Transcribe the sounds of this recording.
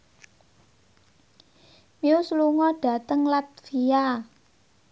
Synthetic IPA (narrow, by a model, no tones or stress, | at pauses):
miusluŋɔɖ̥ä̤t̪əŋlat̪̚fia